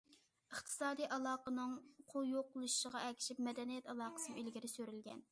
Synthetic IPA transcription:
əχt̪ʰɨ̥sɑːd̪ijʔɑlˠɑːqənɨŋqʰojoqʊlˠuʃuʃəʁɑɛkʲʰi̥ʃipmɛd̪ɛnijɛt̪ɑlˠɑːqə̥sɨnɨylɡʲiɾɪsøɾylɡʲɛ̰n

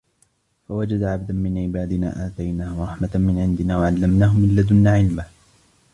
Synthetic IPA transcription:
fawad͡ʒad̪aʕab̚d̪anmɪnʕɪbaːd̪ɪna̰ːʔaːt̪ajnaːhʊɾˤɑħmamɪnʕɪnd̪ɪnaːwaʕalːamnaːɦʊmɪlːad̪ʊnːaːʕɪlma

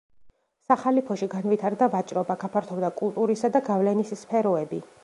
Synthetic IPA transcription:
saχalipʰɔʃiɡanvit̪ʰaɾd̪avat͡ʃʼɾɔbaɡapʰaɾt̪ʰɔvd̪akʼulˠt̪ʼuɾisad̪aɡavlɛnisspʰɛɾɔɛbi

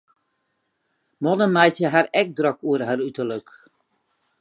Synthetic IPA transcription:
mɔnəmɛjsjəɦarɛk̚drøkuərɦarytələk

